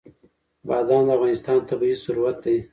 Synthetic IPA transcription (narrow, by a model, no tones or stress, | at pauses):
bɑːd̪ɑnd̪əavɣɑnɪst̪ɑnt̪abiisuɾuwat̪̚d̪aj